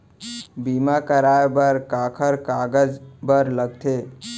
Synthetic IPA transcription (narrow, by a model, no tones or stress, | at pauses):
bimakəɾaebəɾkakʰəɾkaɡəd͡ʒbəɾləɡ̚t̪ʰe